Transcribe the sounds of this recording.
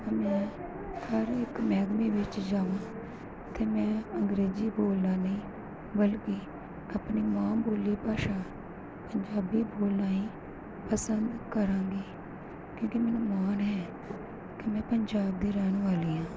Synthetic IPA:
mɛ̃ː | həɾɪkmɛːd̪miːʋɪt͡ʃd͡ʒaːʋãː | t̪eːmɛ̃ːəŋɡɾeːziːboːlnãːnəĩː | bəlkiː | əpniːmãːboːliːpaːʃaː | pəɲd͡ʒaːbiːboːlnaːĩː | pəsənd̪kəɾãːɡiː | kjõːkimɛ̃ːnũːmaːnɦɛː | kimɛ̃ːpəɲd͡ʒaːb̚d̪eːɾɛːnʋaːliːãː

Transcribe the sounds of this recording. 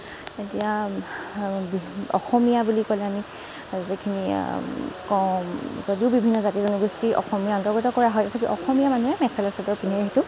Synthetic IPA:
etija | bɔ̰xɔmijabulikolɛami | zekʰinḭ | kɔzodiʊbibʱinːɔzatizɔnɔɡɹistiʔɔ̰xɔmijaɔntɔɹɡɔtɔkɔɹaɦɔjtɛtʰakḭʔɔxɔmijamanuɛmɛkʰɛlasadɔɹpiniɛɦitʊ

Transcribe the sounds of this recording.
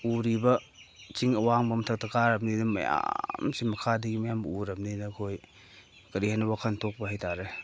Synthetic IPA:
uɾibɐt͡ʃiŋɐwaŋbɐmtʰɐk̚tɐkaɾɐmninɐmɐ̰ja̰msimɐkʰadɐɡimɐjamuɾɐmninɐkʰoj | kɐɾihajnɐbakʰantʰok̚bɐhajtʰaɾe

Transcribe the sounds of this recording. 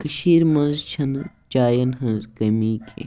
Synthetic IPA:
kɐʃiːɾmɐnzt͡ʃʰɐn | t͡ʃaːjɐnɦɐ̃nzkɐmiːkʰḛ

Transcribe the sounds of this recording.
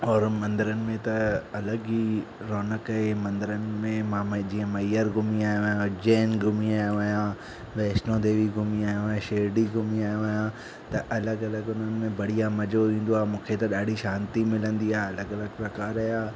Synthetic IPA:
ɔːɾmɐ̃nd̪əɾənɪ̆mẽt̪ɐɐləɡi | ɾoːnəkɐɦemɐ̃nd̪əɾənɪ̆mẽmãd͡ʑiːə̃mɐjəɾɡʱʊmiaːjõʋɐjãd͡ʑɛːnɡʱʊmiaːjõʋɐjã | ʋɛːʃnõd̪eːʋiɡʱʊmiaːjõʃeːɖiɡʱʊmiaːjõʋɐjã | t̪ɐʔɐləɡɐləɡʊn̤ənɪ̆mẽbɐɽ̤ijãmɐd͡ʑoʋĩːn̆d̪oaːmũːkʰet̪ɐɗaːɖʱiʃãːnt̪imɪlə̃nd̪iaːeɐləɡɐləɡpɾɐkaːɾɐjaː

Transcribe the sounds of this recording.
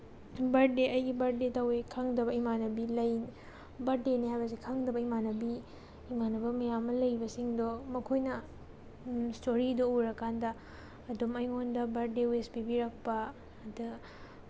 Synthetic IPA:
bɐɾdeɐjɡibɐɾdetɐwekʰaŋdɐbɐimanɐbilɐj | bɐɾdeniɦajbɐs̬ikʰaŋdɐbɐimanɐbiː | manɐbɐmɐjamːɐlɐjbɐsiŋdomɐkʰojnɐ | stoɾidooɾɐkːandɐː | dumɐjŋondɐbɐɾdewespibiɾɐk̚pɐː | du

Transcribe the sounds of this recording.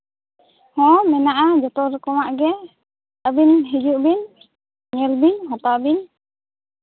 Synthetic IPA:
hɔ̃ʔɔmɛnaʔad͡ʒɔt̪ɔɾkɔwaʔɡɛ | əbinɦid͡ʒuʔbin | ɲəlbiɲɦɔ̃t̪abiɲ

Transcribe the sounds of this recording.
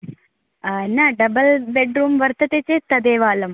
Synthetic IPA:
anaɖɐbɐlbeɖɾuːmʋɐɾt̪ɐt̪eːt͡ɕːeːt̪ɐd̪eːʋaːlɐm

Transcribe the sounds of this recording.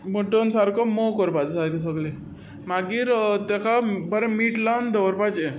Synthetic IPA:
moʈənsaɾkɔmokɔɾpad͡zsaɾkes̬əɡle | maɡiːɾt̪ekabəɾemiʈland̪əʋɾpat͡ɕe

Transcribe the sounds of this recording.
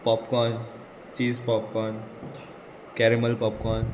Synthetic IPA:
pɔːpkɔːn | t͡ʃiːspɔːpkɔːn | kɛːɾiməlpɔːpkɔːn

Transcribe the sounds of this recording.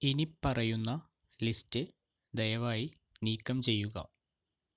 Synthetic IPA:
inipːɐrɐjunːɐ | listɨ | d̪ɐjɐʋaːji | niːkːɐmt͡ɕe̞jːuɣɐ̰

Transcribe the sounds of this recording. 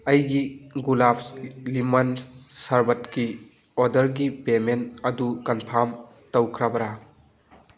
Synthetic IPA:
ɐjɡiɡulaplimɐnsaɾbɐtki | odɐɾɡipemenɐdukɐnpʰaɾm | tɐwkʰɾabɐɾa

